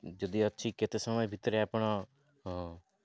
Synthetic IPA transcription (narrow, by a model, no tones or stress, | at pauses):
d͡ʒəd̪iːətːʃʰiːkɪt̪eːsəməbʱɪt̪ːɾɛapɳaː | ɦ